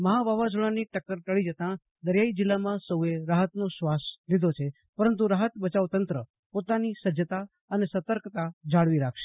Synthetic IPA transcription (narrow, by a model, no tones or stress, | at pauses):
məɦaʋaʋad͡ʒuɽaniʈəkːəɾt̪əɭid͡ʒət̪ã | d̪əɾjaid͡ʒɪlːamãsəueɾaɦət̪noʃʋaslid̪ʱot͡ʃʰe | pəɾənt̪̬uɾaɦət̪bət͡ʃaʋt̪ənt̪ɾə | pot̪anisəd͡ʒət̪a | ənesət̪əɾkt̪ad͡ʒʱaɽʋiɾakʰʃe